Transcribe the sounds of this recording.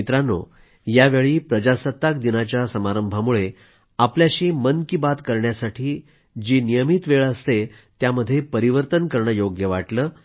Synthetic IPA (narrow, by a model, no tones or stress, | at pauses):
it̪ɾano̰ | jaʋeɭiːpɾəd͡ʑasət̪ːak̚d̪inat͡ɕjasəmaɾəmbʱamuɭe | apljaɕiːmənkibat̪kəɾɳjasaʈʰiː | d͡ʑinijəmit̪ʋeɭəst̪e | t̪jaməd̪ʱːjepəɾiʋəɾt̪ənkəɾɳəjoɡjəʋaʈləː